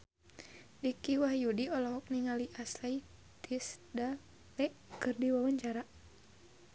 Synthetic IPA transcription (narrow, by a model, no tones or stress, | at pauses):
dikiwahjudiɔlɔɦɔk̚niŋaliʔaslai | t̪ʰisda | lɛʔkɨrdiwawaɲt͡ʃaɾa